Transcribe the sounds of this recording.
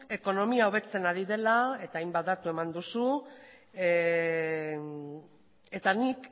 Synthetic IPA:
e̞ko̞no̞miaoβ̞e̞t͡se̞naɾið̞e̞lae̞t̪aːjmbat̪d̪at̪ue̞mand̪usu | e̞t̪anik

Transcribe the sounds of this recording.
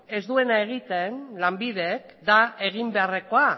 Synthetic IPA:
e̞zðue̞nae̞ɣ̞it̪e̞nlambiðek | d̪ae̞ɣ̞imbe̞are̞ko̞a

